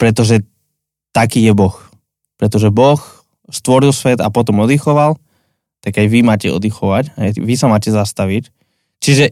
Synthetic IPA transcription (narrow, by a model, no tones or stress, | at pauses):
pɾɛt̪ɔʒɛ | t̪akiːjɛbɔx | pɾɛt̪ɔʒɛbɔx | st̪ʋɔɾilsʋɛd̪a̰pɔt̪ɔmɔd̪ixɔʋal | t̪aɡajʋimaːcɛɔ̰d̪ixɔʋacaʋisamaːcɛzast̪aʋic | t͡ʃiʒɛ